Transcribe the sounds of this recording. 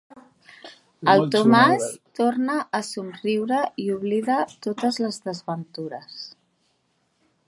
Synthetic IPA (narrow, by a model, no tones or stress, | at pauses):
əlˠt̪umast̪ornəʔːsunriwɾəiuβliðat̪ot̪əzləzðəzβənt̪uɾəs